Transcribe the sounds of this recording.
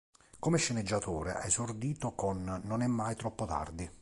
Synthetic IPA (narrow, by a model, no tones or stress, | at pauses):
kɔmɛʃːɛnɛd͡ʒːat̪uːɾḛʔa̰esord̪iːt̪okɔnːɔnɛmːajt̪ɾɔpːot̪a̰rd̪i